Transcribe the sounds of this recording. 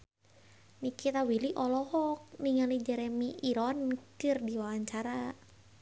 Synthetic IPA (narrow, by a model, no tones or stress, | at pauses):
nikit̪awiliʔɔlɔhɔk̚niŋalid͡ʒɛɾɛmiʔiɾɔnkɨrdiwawaɲt͡ʃaɾa